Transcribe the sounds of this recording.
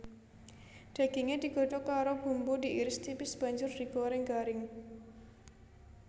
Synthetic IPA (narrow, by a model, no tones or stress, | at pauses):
ɖ̪̥a̤ɡ̥iŋed̪̥i̤ɡ̥o̤ɖɔkaɾob̥ṳmbudiʔiɾɪst̪ipɪsb̥a̤ɲd͡ʒʊrd̥iɡoɾɪŋɡaɾɪŋ